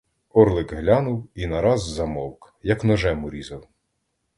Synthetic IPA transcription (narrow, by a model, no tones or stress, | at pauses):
ɔrlˠɪkɦlʲanʊwinɐɾɑzːɐmɔlˠk | jɐknɔʒɛmʊɾʲizɐw